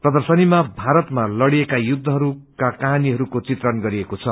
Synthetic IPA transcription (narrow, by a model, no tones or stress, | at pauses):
prʌd̪ʌrsʌnimabʱaɾʌt̪malʌɽiekajud̪ʱːʌɦʌɾukakaɦaniɦʌɾukot͡sit̪rʌnɡʌɾiekot͡sʰʌ